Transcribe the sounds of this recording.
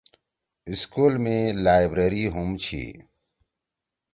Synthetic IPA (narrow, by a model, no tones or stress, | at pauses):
iskuːlmẽlaːjbɾeːɾiːɦumt͡ɕʰḭː